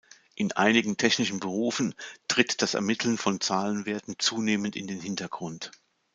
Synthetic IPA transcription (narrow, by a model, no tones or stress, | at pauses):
ʔɪnʔa̰ɪnɪɡŋ̩tʰɛçnɪʃn̩bəʁ̞uːfn̩tʁ̥ɪtd̥asɛ̰ɐmɪtʰl̩nfɔnt͡saːlənveːɐtn̩t͡suːneːməntɪ̰ndeːnhɪntɐɡ̥ʁʊnt